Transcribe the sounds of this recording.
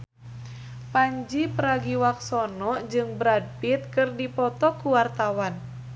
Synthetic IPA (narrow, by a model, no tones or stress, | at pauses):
paɲd͡ʒipəɾaɡiwak̚sɔnɔd͡ʒɨŋbəɾad̚pit̪̚kɨrdipɔt̪ɔkuwart̪awan